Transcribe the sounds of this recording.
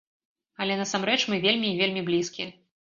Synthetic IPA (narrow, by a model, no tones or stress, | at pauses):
ɐlʲɛnɐsamɾɛt͡ʂmɨvʲelʲmʲiːvʲelʲmʲiblʲiskʲi